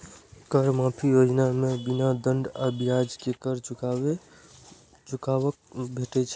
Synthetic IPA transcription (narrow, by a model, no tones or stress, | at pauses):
kəɾmapʰijod͡ʒnamebinad̪əɳɖabijad͡ʒkekəɾt͡ʃuae | t͡ʃukaəkbʱeʈɛt͡ʃʰ